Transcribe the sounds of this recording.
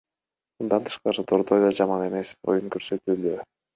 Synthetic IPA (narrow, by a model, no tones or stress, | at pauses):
mɯnd̪ɑnt̪ʰɯ̥ʃqˠɑɾɯt̪ʰoɾd̪ojd̪ɑd͡ʒɑmɑne̞me̞so̞̰juŋkøɾsøt̪yːld̪ø